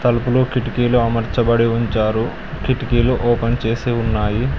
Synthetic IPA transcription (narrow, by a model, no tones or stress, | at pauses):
t̪ɐlupuloːkiʈikiːluɐmɐɾt͡ʃɐbɐɽiuɲt͡ʃaːɾu | kiʈikiːluʔɔːpɐnt͡ʃe̞ːsiːunːaːji